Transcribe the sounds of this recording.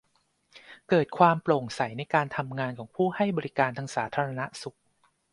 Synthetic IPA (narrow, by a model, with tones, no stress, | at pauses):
kɤː˨˩t̪̚kʰwaː˧mplo˨˩ŋsa˩˦jna˧jkaː˧nt̪ʰa˧mŋaː˧nkʰɔː˩˦ŋpʰuː˥˩ha˥˩jbɔː˧ɾi˦˥kaː˧nt̪ʰaː˧ŋsaː˩˦t̪ʰaː˧ɾa˧na˦˥su˨˩k̚